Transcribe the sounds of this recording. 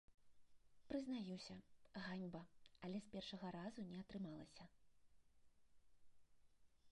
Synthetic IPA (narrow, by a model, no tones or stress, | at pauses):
pɾɨznajiwsʲɐɣanʲbɐɐlʲɛspʲɛrʂɐɣɐɾazunʲɛɐt̪ɾɨmalˠɐ̰sʲɐ